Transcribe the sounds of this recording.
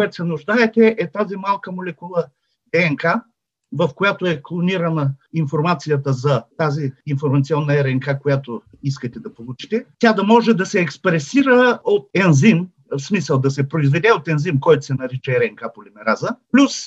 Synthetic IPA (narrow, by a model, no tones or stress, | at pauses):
koʊɛt̪ʊ̥sɛnʊʒd̪aɛt̪ɛʔɛt̪azimalˠkəmolɛkulˠə | d̪ɛɛŋka | vɐfkojat̪oɛklˠoniɾənəinfoɾmat̪sijət̪əzɐt̪aziːnfoɾmɐt̪siɔnːɐɛɾɛŋkakojat̪o | iskət̪ɛd̪ɐpolˠut͡ʃi̥t̪ɛt̪ʲad̪ɐmɔʒɛd̪ɐsɛːkspɾɛsiɾəot̪ɛnzim | fsmisəlˠd̪ɐsɛpɾoizvɛd̪ɛot̪ɛnzimkɔjt̪o̥sɛnɐɾit͡ʃɛɛɾɛŋkapolimɛɾazəplʲus